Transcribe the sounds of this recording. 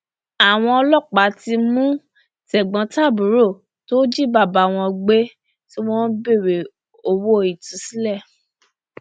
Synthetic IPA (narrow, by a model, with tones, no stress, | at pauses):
a˨w̃ɔ̃˧ɔ˧lɔ˦˨k͡pa˨˦ti˧mũ˦ | tɛ˨ɡ͡bɔ̃˨˦ta˦˨bu˨˦ɾo˦˨ | to˦d͡ʒi˦ba˦˨ba˨˦˨w̃ɔ̃˧ɡ͡be˦ | ti˦w̃ɔ̃˦be˦˨we˨ | o˧wo˦˨i˨tũ˨˦si˦lɛ˦˨